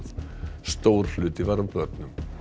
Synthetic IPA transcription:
ðst̪oːwɾ̥lʏːt̪ɪvaɾavpœt̪nʏm

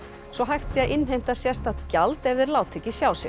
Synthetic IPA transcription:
svɔɦajxt̪siaðʔɪnɦejm̥t̪asjɛst̪at̪calt̪ɛvðɪɾlaːwt̪ʰecɪsjaːwsɪ

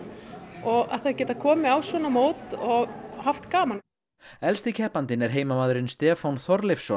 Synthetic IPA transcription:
ɔɣa̰ðθaðcɛːt̪aðkʰɔːmɪawsvɔːnamoːwt̪ɔɣhaft̪kaːman | ɛlst̪ɪcʰɛhpant̪ɪnɛɾ̥ɦeːjmamaːðɾɪnst̪ɛːfawnθɔɾlɪfsɔ

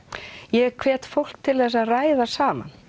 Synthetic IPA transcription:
jɛɣkʰvɛːt̪fowl̥kt̪ʰɪlθɛsːaðraːjðasaːma̰n

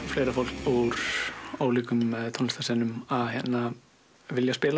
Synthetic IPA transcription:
fleːjɾafowl̥kuɾ̥oːwliːkʏmt̪ʰɔnst̪asɛnʏmaðɦɛnːa | vɪljaspɪːla

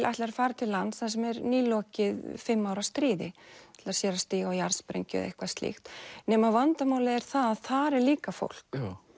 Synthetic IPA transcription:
lʔajht̪lɪaɾfaːɾt̪ʰɪlːant̪ːsas̬ɛmɛɾniːlɔːcɪðfɪmːaːwɾast̪ɾiːðɪɪlḁsjɛɾast̪iːɣawjaɾspɾḛjɲcʏ̰ðḛhkvast̪lɪ̰xt̪nɛmavant̪amaːwlɪɛɾ̥θaðaðθaɾɛɾliːkafo̰wl̥k

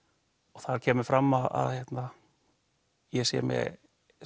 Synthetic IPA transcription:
ɔθaɾcʰɛːmʏɾfɾamːaða̰ðhjɛt̪na | jɛsɛ̰mjɛ̰

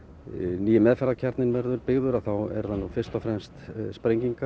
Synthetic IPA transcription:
niːjɪmɛːðfɛɾacʰaɾt̪nɪnvɛɾðʏɾpɪɣðʏɾaθawɛ̰ɾðanufɪrst̪ɔfɾɛmst̪spɾejɲciŋka

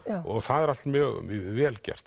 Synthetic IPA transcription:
ɔɣθaðɛɾalmjœɣmːvɛːlcɛ̰r̥t̪

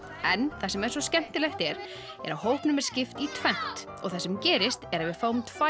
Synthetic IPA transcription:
ɛnθasɛmɛðɾ̥svɔscɛm̥t̪ɪlejxt̪ɛɾ | ɛ̰ɾawɦowhpnʏmɛðscɪft̪it̪ʰvɛn̥t̪ | ɔ̰ɣθɛsɛmcɛːɾɪst̪ɛɾavɪðfawmt̪ʰva

